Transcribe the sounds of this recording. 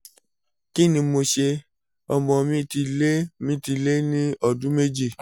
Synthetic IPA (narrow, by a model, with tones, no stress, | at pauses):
ki˦nĩ˧mo˧ʃe˧ | ɔ˧mɔ̃˧˨mĩ˧˦ti˧le˦mĩ˧˦ti˧le˦nĩ˦ɔ˦˨dũ˦me˦d͡ʒi˦˨